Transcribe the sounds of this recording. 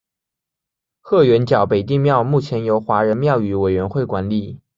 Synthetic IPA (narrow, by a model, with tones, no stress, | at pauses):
xɤ˥˩ɥɛ˧˥nt͡ɕjɑ˨˩ʊpe˨˩ɪt̪̬i˥˧ŋmjɑ˥˧ʊmu˥˩t͡ɕʰjɛ˧˥njo˧˥ʊxwa˧˥ɻə˧˥nmjɑ˥˩ʊy˧˥we˨˩ɪɥɛ˧˥nxwe˥˩ɪkwa˧˥nli˨˩˦